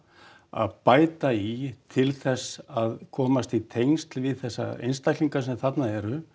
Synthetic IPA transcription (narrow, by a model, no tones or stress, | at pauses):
a̰ðpaːjt̪ait̪ʰɪlθɛsːaðkʰɔːmast̪it̪ʰejŋst̪lvɪðθɛsːa̰ḛjnst̪ajkliŋkasɛmθat̪naɛɾʏ